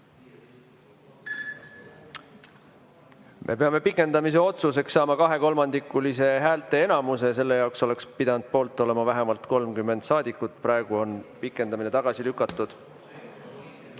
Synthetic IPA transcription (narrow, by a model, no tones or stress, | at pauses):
mʔe̞̰pe̞ɑme̞pikːˑe̞nd̪̥ɑmis̬e̞o̞t̪sus̬e̞ksːɑːmɑkɑɦe̞ko̞lmɑnd̪̥ikːˑulise̞ɦæːlt̪ːˑe̞enɑmuse̞s̬e̞lːe̞jɑˑokso̞le̞kspid̪ɑnud̪̥̚po̞ːlt̪ːˑo̞le̞mɑvæɦemɑlt̪ko̞lmkymːe̞nd̪sɑːd̪̥ikːˑut̪pɾɑeɡ̥uo̞npikːˑe̞nd̪ɑmine̞t̪ɑɡ̥ɑsilykːˑɑt̪ːˑud̪̥